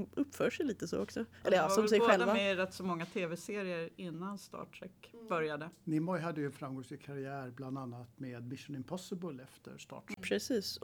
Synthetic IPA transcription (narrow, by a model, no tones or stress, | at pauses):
ɵpːfœːʂɛjliːt̪əso̰ːɔksɔʔɛlːəɾsɔmsɛjɧɛlavamɛɾɛt̪ːsɔmɔŋːat̪ʰeːvɛseːɾɪəɾɪnːanst̪ɑ̰ːʈʰɾɛkbœɾjad̪ənɪmɔjɦad̪ːəjʉɛnfɾamɡɔŋslɪɡkʰaɾɪæːɾbland̪anːat̪meːd̪mɪʂʊnɪmpʰɔsəbəlɛft̪ə̰ɾst̪ɑ̰ːʈɛpʰɾɛsiːs